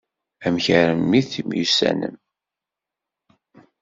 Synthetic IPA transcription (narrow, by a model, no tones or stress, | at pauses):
æmçəɾəmːiθimjusæ̰nə̰m